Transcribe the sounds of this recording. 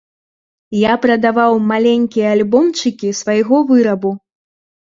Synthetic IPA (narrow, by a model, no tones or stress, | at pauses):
japɾɐd̪avawmalʲenʲkʲijɐalʲbɔmt͡ʂɨkʲisvajɣɔvɨɾɐbu